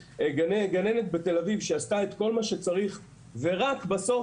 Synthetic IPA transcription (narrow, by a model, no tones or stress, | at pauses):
eɡaneɡanenet̪̚bet̪e̞lavivʃeast̪aet̪ko̞lmaʃe̞t͡saʁiχ | ve̞ʁakbaso̞